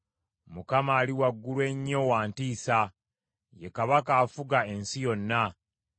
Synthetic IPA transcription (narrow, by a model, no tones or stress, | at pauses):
mukamaːliwaɡːulwe̞ɲːo̞waːntiːsa | je̞kaβakaːfuɡae̞nsijo̞nːa